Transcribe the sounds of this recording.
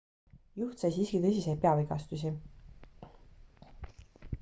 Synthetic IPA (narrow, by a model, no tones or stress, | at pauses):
juht̪sɑjsiskit̪ɤsʲisejt̪̚pe̞ɑviɡɑst̪us̬ʲi